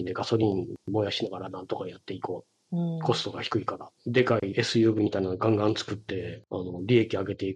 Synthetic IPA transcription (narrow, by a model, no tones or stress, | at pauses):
d̪e̞ɡaso̞ɾʲĩnmo̞ːjaɕinaɡaɾanãnt̪o̞kajat̪ːe̞iko̞ː | ko̞sɨ̥t̪o̞ɡaçi̥kɯ̟ikaɾad̪e̞kaiʔe̞sɨjɯːbɯ̟mʲit̪ainaoɡãŋɡãnt͡sɨ̥kɯ̟t̪ːe̞ano̞ɾʲie̞kʲiaɡe̞t̪e̞ik